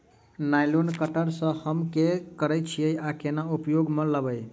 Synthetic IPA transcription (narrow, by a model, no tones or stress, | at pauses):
najlonkəʈəɾsə̃həmkekəɾət͡ʃʰijəjakenaupjoɡmeləbəj